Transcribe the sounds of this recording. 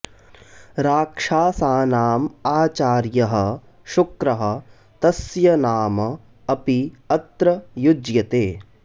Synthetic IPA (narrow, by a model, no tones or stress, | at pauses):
ɾaːkʂaːsaːnaːmaːt͡ʃaːɾjɐɦɐ̆ | ʃukɾɐɦɐ̆ | t̪ɐsjɐnaːmɐː | piɐt̪ɾɐjud͡ʒjɐt̪eː